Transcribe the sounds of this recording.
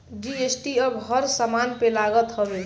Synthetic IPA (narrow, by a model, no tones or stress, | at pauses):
d͡ʒiesʈiʌbɦʌɾsamanpelaɡət̪hʌɾe